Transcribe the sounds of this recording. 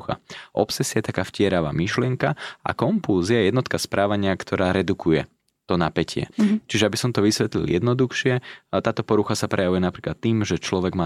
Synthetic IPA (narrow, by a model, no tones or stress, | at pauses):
xa̰ʔɔ̰psɛsiajɛt̪akaːfcɪɛɾaʋa̰ːmiʃlɪɛŋkaa̰kɔmpuːziajɛjɛd̪nɔt̪kaspɾʔaːʋaɲɪakt̪ʰɔɾaːɾɛd̪ukujɛ | t̪ɔnapɛcʰɪɛ̰t͡ʃiʒɛabisɔmt̪ɔʋisʋɛt̪lḭljɛd̪nɔd̪uxʃɪɛt̪aːt̪ɔpɔɾuxasapɾɛjaʋujɛnapɾiːklat̪ːiːmʒɛt͡ʃlɔʋɛɡmaː